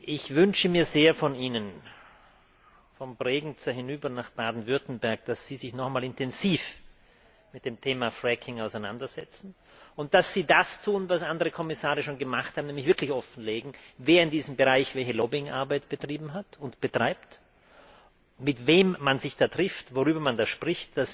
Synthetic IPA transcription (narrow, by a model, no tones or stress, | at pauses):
ʔɪçv̥ʏnʃəmiːɐzeːɐfɔniːnən | fɔmpʁɛːɡŋ̩t͡səhɪnyːbɐnaχb̥aːdn̩vʏɐtn̩bɛɐk̚d̥asz̥iːzɪçnɔχaɪmaːlɪntɛnziːf | mɪt̚d̥eːmtʰeːmafʁɛkʰɪŋaʊsaɪna̰ndɐz̥ɛt͡sn̩ | ʊnt̚d̥asz̥iːdastʰuːnvasʔandəʁəkʰɔmɪsaːʁəʃoːnɡəmaχthaːbmnɛːmlɪçv̥ɪɐklɪçɔfn̩leːɡŋ̩veːɐɪndiːzəm̩bəʁaɪçv̥ɛlçəloːbɪŋʔa̰ɐbaɪtb̥ətʁ̥iːbm̩ɦatʊntb̥ətʁ̥aɪpt | mɪtveːmːanzɪçd̥aːtʁ̥ɪftvoʁyːbɐmandaːʃpʁ̥ɪçt̚d̥as